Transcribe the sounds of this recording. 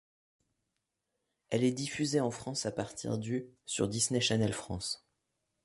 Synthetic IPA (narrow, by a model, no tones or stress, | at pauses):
ɛlɛd̪ifyzeɑ̃fχɑ̃sapaʁt̪ʰḭʁd̪ysy̰ʁd̪isneʃanɛlfχɑ̰̃s